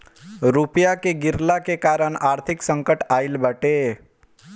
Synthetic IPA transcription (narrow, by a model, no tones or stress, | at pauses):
ɾupjakeɡɪɾlakekaːɾəɳaːɾt̪ʰɪksə̃ŋkəʈaːɪlbəʈe